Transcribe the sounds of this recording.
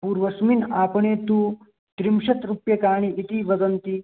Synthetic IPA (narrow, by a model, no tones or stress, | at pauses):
puːɾʋɐsminaːpɐɳeːt̪uː | t̪ɾimʂɐt̪ɾupjɐkaːɳ̃iʔːt̪iʋɐd͡zɐnt̪i